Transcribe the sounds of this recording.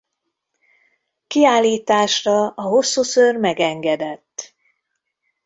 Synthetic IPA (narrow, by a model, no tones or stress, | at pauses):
kiaːlːiːt̪aːʃrɒʔɒɦo̞sːuːsørmɛɡɛŋɡɛd̪ɛt̪ː